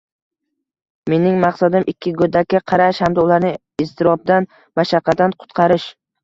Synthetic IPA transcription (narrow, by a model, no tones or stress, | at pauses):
me̞nɪŋmɑqsad̪ɪmɪkʲʰːɪɡod̪akʲːaqʰɑɾaʃhamd̪aʊlaɾnɪ | ɪst̪ʰɪɾɒb̚d̪an | maʃɑqʰːɑd̪anqʰʊ̥t̪qʰɑɾɪʃ